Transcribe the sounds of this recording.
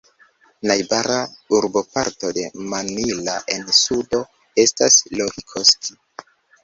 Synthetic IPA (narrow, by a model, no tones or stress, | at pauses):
najbaɾauɾbo̞paɾto̞de̞manilaʔe̞nsudo̞ | e̞staslohikʰosti